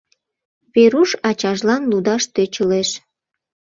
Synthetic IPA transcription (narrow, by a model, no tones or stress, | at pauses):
βeɾuʃɑt͡ɕɑʒlɑnlud̪ɑʃt̪øt͡ɕəleʃ